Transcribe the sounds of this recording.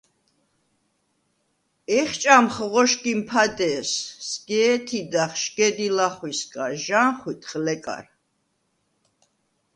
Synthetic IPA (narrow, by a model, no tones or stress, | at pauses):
ɛχt͡ʃʼamχʁɔʃkʼimpʰad̪ɛːsːɡ̥ɛːt̪ʰid̪aχʃɡ̥ɛd̪ilaχwiskʼaʒanχwit̪ʰχlɛkʼa̰ɾ